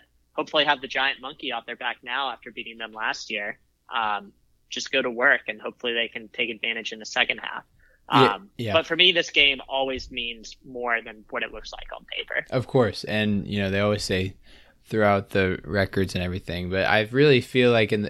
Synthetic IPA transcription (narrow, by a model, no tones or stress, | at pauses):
hoʊpfl̩ˠiəvðɨd͡ʒaɪɨ̃nmʌ̃ŋkiɔfðə˞bæk̚naʊæftə˞biɾɪ̃ŋðə̃mlæst̚jɪɹ | ʔʌ̃m̥ | d͡ʒ̥ʌsɡ̥oʊɾəwɜ˞kɨ̃nhoʊpfl̩ˠiðeɪkɨ̃ntʰeɪkɨdvæ̃ɾ̃ɨd͡ʒɨ̃nðɨsɛkɨ̃nd̚hæ̰f | ʔʌ̃mjæb̥ʌtfə˞miðɪsɡ̥ẽɪ̃mɔlˠwizmĩnz̥mɔɹðɨ̃nwʌɾɨʔˡlʊksla̰ɪkn̩pʰḛɪpə̰˞ʔʌv̥kʰɔɹsɨ̃njʔɨ̰noʊðeɪɔlˠwiz̥seɪ | θɹʉaʊt̪̚ðɨɹɛkə˞dzɨ̃nɛvɹiθɪ̃ŋb̥ʌɾa̰ɪɹɪlˠifilaɪkɨ̃n